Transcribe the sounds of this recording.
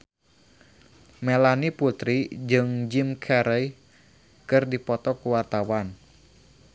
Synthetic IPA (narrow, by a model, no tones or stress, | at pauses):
melaniput̪ɾid͡ʒɨŋd͡ʒimkʰɛɾəj | kɨrdipɔt̪ɔkuwart̪awan